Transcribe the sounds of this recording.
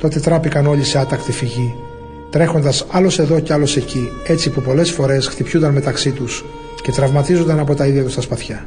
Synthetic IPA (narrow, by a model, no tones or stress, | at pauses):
t̪o̞t̪e̞t̪ɾɐpikɐno̞ʎise̞ɐt̪ɐkt̪ifiʝi | t̪ɾe̞xo̞nd̪ɐsɐlo̞se̞ðo̞ceɐlo̞se̞cie̞t͡sipupo̞le̞sfo̞ɾe̞sxt̪ipçund̪ɐnme̞t̪ɐksit̪us | ce̞t̪ɾɐvmɐt̪izo̞nd̪ɐnɐpo̞t̪ɐiðʝɐt̪ust̪ɐspɐθçɐ